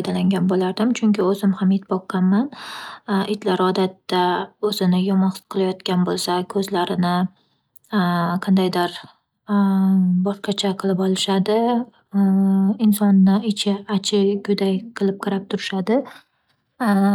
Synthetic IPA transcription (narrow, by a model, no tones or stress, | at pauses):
jd̪alaŋɡʲanbolaɾd̪ɪmt͡ʃʰʊŋkʲɪɵzɪmhamet̪bɒqʰːɑnman | ʔɪt̪ʰlaɾɒd̪at̪ːaɵzɪnɪjɒmɒnχqʰɨlˠajɒt̪kʲanbolˠsakʰɵzlaɾɪnɪ | qʰɑnd̪ajd̪aɾ | bɒʃqɑt͡ʃʰaqʰɨlˠɪpɒlˠɪʃad̪ɪ | ɪnsɒnːɪɪt͡ʃʰɪat͡ʃʰɪɡʲʊd̪ajqʰɨlˠɪp̚qʰɑɾap̚t̪ʰʊɾɪʃad̪ɪ